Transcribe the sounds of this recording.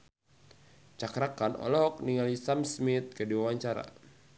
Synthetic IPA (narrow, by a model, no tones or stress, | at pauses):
t͡ʃakɾakanɔ̰lɔɦɔk̚niŋalisamsmit̪̚kədiwawaɲt͡ʃaɾa̰